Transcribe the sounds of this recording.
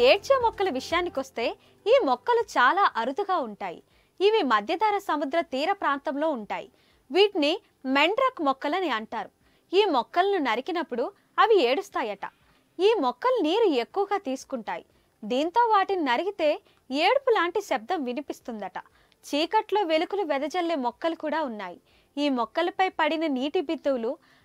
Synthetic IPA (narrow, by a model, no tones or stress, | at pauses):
eːt͡ʃeːmɔkːɐlɐʋiʂɐjaːnːikʋɐst̪e̞ː | iːmɔkːɐlut͡ʃaːlaːʔɐɾud̪ʱuɡaːuɳʈaːjḭ | iʋimɐd̪ʱjɐd̪aːɾɐsɐmud̪ɾɐt̪iːɾɐpɾaːnt̪ɐmlo̞ːuɳʈaːjḭ | ʋiːʈni | me̞ɳɖɾɐkmɔkːɐlɐniɐɳʈaːɾu | iːmɔkːɐlɐnunɐɾikinɐpːuɽu | ɐʋie̞ːɽust̪aːjɐʈɐ̰ | iːmɔkːɐluniːɾue̞kːuʋɐɡaːt̪iːsu̥kuɳʈa̰ːjḭ | d̪iːnt̪o̞ːʋaːʈininɐɾiɡit̪e̞ː | eːɽupulaːɳʈisɛb̚d̪ɐmʋinipist̪und̪ɐʈɐ̰ | t͡ʃiːkɐʈlo̞ːʋe̞lukuluʋɛd̪ɐd͡ʒɐlːeːmɔkːɐlukuːɽaːunːaːji | iːmɔkːɐlɐpɐjpɐɽinɐniːʈibid̪ːuwlu